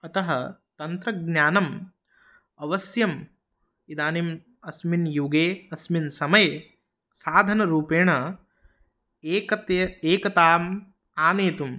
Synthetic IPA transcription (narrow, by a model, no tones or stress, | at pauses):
ɐt̪ɐɦɐ̰t̪ɐnt̪ɾɐɡnjaːnɐm | ɐʋɐsjɐm | id̪aːnim | ɐsminjuɡeːɐsminsɐmɐj | saːd̪ʱɐnɐɾuːpeːɳɐ | eːkɐt̪ɐeːkɐt̪aːm | aːneːt̪um